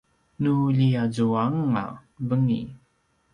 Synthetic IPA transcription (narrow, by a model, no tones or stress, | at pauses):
nuʎiazuaŋːa̰vəŋḭ